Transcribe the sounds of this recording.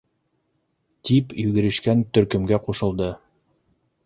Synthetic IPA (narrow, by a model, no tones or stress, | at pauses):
t̪ipjʉɡɘ̆ɾɘ̆ʃkænt̪ɵ̆ɾkɵ̆mɡæquʃɤ̆lˠd̪ɤ